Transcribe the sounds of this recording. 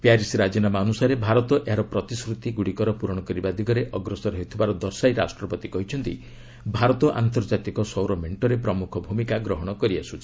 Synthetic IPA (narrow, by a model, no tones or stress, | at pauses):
pjaɾisɾad͡ʒinamaɔnusaɾebʱaɾɔt̪ɔʔeɦaɾɔpɾɔt̪isɾut̪iɡuɽikɔɾɔpuɾɔɽ̃ɔkɔɾibad̪ʱiɡɔɾeʔɔɡɾɔsɔɾɔɦut̪ʰibaɾɔd̪ɔɾsajɾasʈɾɔpɔt̪ikɔɦit͡ʃʰɔnt̪ḭ | bʱaɾɔt̪ɔʔa̰nt̪ɔɾd͡ʒat̪ikɔsɔwɾɔmeɳʈɔɾepɾɔmukʰɔbʱumikaɡɾɔɦɔɽ̃ɔkɔɾiasʰut͡ʃʰi̥